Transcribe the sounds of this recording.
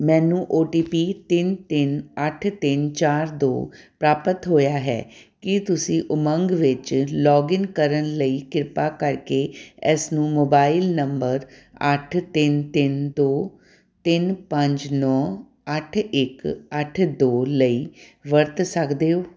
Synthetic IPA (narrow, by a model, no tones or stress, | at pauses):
mɛ̃ːnũːʔoːʈiːpiːt̪ɪnt̪ɪnəʈʰt̪ɪnt͡ʃaːɾd̪o̰ːpɾaːpət̪ɦoːjaːɦɛ̰ːkɪt̪ʊsĩːʔʊməŋɡʋɪt͡ʃlɔːɡɪnkəɾənləiːkɪɾpaːkəɾkeːɛsnũːmoːbaːɪlnəmbəɾə̰ʈʰt̪ɪnt̪ɪnd̪oː | t̪ɪnpəɲd͡ʒnɔː | əʈʰɪkəʈʰd̪oːləiːʋəɾt̪səkd̪eːoː